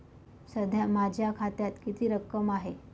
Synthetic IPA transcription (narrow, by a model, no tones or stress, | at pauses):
səd̪ʱjamad͡ʑʱjakʰat̪jat̪kit̪iːɾəkːəmaɦe